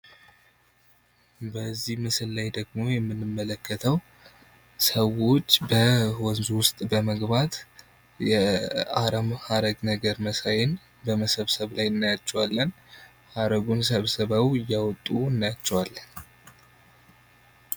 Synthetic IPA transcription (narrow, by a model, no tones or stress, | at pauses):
bəzːihməsəlːajd̪əɡmo̞jɛmːɨnːɨmːələkʰːət̪ʰəw | səwo̞t͡ʃːbəwɔnzuwʊst̪ʼbəməɡbat̪ | jɛaɾəmhaɾəɡnəɡəɾməsajɛn | bəməsəβsəβlajɨnːajat͡ʃːɛwalːən | haɾəɡuns̬əβsəβawɨjːawɔt̪ʼːuɨnːajat͡ʃːɛwalːən